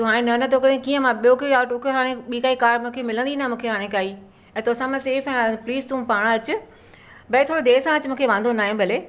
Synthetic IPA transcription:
t̪oɦaːɽ̃ẽnɐnɐt̪ʰoːkɐɽẽkiːə̃mãɓijokoaːʈokʰɦaːɽ̃ẽɓiːkaːikaːɾmũːkʰemɪlə̃nd̪inɐmũːkʰeɦaːɽ̃ẽkaːiː | ɛ̃ːt̪osãmẽseːfɛ̃ːpliːzt̪ũːpaːɽ̃ɐt͡ɕʊ | bɐet̪ʰoːɽod̪eːsãɐt͡ɕɪmũːkʰeʋãːnd̪onaːɦĩbʱɐleː

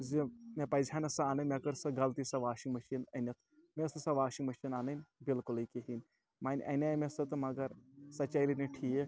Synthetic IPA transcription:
zimʲepɐzʱʲaːnɐsɐaːnɨnʲmʲekɐɾsɐɡɐlt̪isɐʋaːʃiŋmɐʃinɐnʲɐt̪̚ʰ | mesɐsɐʋaːʃiŋmɐʃinaːnɐnʲbilkulikiɦin | maːnʲʔɐ̰nʲamʲesɐt̪ɨmɐɡɐɾsɐt͡ʃajliniʈʰie

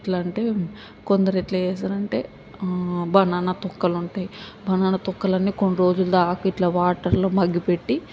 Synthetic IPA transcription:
ʈlɐɳʈe̞ː | kond̪ɐɾeʈlɐɛːs̬aːɾɐɳʈe̞̰ː | bʱɐnaːnɐt̪ukːɐluɳʈaːjibʱɐnaːnɐt̪ukːɐlɐnːiːkoɳːuɾo̞ːd͡ʒulɐd̪aːkɐiʈlɐʋaːʈɐɾloːmɐɡːipeʈːi

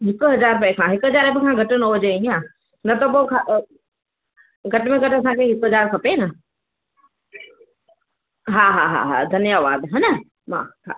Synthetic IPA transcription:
ɦɪkʊɦɐzaːɾpɐɪkʰãɦɪkʊɦɐzaːɾebɪkʰãɡʱɐʈʊnoːd͡ʑeĩãː | nɐt̪opokʰa | ɡʱɐʈmẽɡʱɐʈɐs̬ãkʰeɦɪkɦɐzaːɾkʰɐpenɐ | ɦaːɦa̰ːɦa̰ɦa̰d̪ʱɐnjaːʋaːd̪ɦɐ̃nɐ | mã̰kʰa̰ː

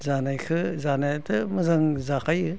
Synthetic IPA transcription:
zanajkʰɯzanajatɯmɯzaŋzakʰajɯ

